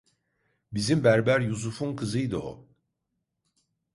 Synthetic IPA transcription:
bizimbæɾbæɾjusufunkʰɯzɯjd̪ɯo̰

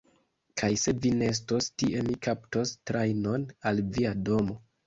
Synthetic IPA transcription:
kʰajse̞vinees̬tostiʔe̞mikʰapto̞stɾajno̞nalviado̞mo̞

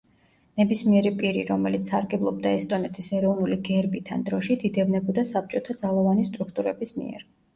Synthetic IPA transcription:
nɛbismiɛɾipʼiɾḭɾɔmɛlit̪ssaɾɡɛblˠɔb̚d̪aɛst̪ʼɔnɛt̪ʰisɛɾɔvnuliɡɛɾbit̪ʰa̰nd̪ɾɔʃid̪id̪ɛvnɛbɔd̪asap̚t͡ʃʼɔt̪ʰad̪zalˠɔvanist̪ʼɾukʰt̪ʼuɾɛbismḭɛ̰ɾ

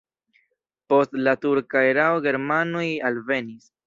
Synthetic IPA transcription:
po̞stlatuɾkaeɾaoɡe̞ɾmanojalve̞nis

